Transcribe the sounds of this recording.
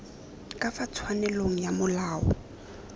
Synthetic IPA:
kʼafat͡sʰwanɛloŋ̩jamʊlaːɔ̰

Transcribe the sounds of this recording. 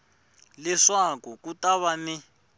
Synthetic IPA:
lɛʂakukutaβani

